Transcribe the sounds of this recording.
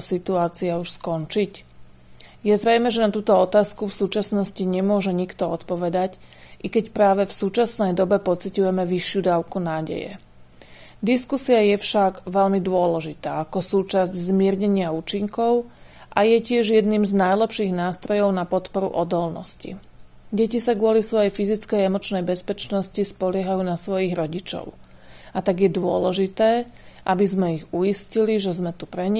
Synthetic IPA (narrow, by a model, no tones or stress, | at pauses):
sit̪uaːt͡siauʃskɔnt͡ʃic | jɛzɾɛjmɛʒɛnat̪uːt̪ɔɔt̪aːskufsuːt͡ʃasnɔsciɲɛmʊɔʒɛɲikt̪ɔɔt̪pɔʋɛd̪acʔikɛcpɾaːʋɛfsuːt͡ʃasnɛjd̪ɔbɛpɔt͡sicujɛmɛʋiʃjud̪aːʊkunaːɟɛ̰jɛ̰ | d̪iskusiajɛfʃaɡʋɛʎmid̪ʊɔlɛʒit̪aːakɔsuːt͡ʃazɟzmɪɛɾɲɛɲɪauːt͡ʃiŋkɔʊ | ʔajɛcɪɛʒjɛd̪niːmznajlɛpʃiːɣnaːst̪ɾɔjɔʊnapɔt̪pɔɾṵʔɔd̪ɔlnɔ̰scḭ | ɟɛcisaɡʊɔlisʋɔjɛjfizit͡skɛjɛmɔt͡ʃnɛjbɛspɛt͡ʃnɔscispɔlɪɛɦajuːnasʋɔjiɣɾɔɟit͡ʃɔ̰ʊ | at̪aɡjɛd̪ʊɔlɛʒit̪ɛː | ʔabizmɛiɣujisciliʒɛzmɛt̪upɾɛɲi